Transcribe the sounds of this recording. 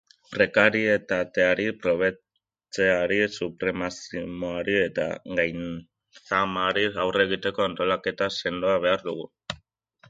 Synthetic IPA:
pɾe̞kaɾie̞t̪at̪e̞aɾipɾo̞β̞e̞ | t͡se̞aɾisupɾe̞masimoaɾie̞t̪a̰ɣajn | samaɾiawre̞ɣ̞it̪e̞ko̞ant̪o̞lake̞t̪ase̞nd̪oaβ̞e̞aɾðuɣ̞u

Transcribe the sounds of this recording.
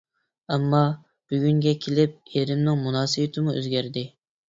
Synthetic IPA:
æmːɑ | b̥yɡʲyŋɡʲɛkʲʰelɪp̚eɾɪmnɪŋmunɑːsɨbɪt̪ʰɪmuø̰zɡʲæɾd̪ɪ

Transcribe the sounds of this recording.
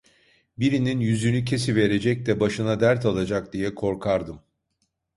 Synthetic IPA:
biɾininjyzynycʰe̞sive̞ɾe̞d͡ʒɛc̚d̪ɛbaʃɯnad̪æɾt̪ʰalˠad͡ʒak̚d̪ijɛkʰo̞ɾkʰaɾd̪ɯm

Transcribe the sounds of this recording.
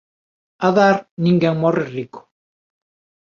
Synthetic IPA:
aðaɾniŋɡaŋmoreriko̥

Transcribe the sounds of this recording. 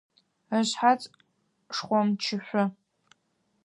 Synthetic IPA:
əɕħat͡sʼ | ʂχʷɔmt͡ʃʰɪɕʷʊ

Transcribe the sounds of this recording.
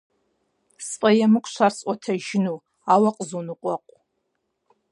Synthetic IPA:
spʼɐjɛmɨkʷʰʼʃʷarsʼʷɔtʰɐʒɪnuː | aːwɐqʼzunɨqʷʼɔqʷʼ

